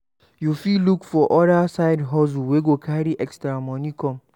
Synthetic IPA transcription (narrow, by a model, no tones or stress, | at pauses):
jufilukfɔʔɔɾasaɪdɦɔz̬uweɡokʰaɾiʔɛkstɾamɔnikɔ̃m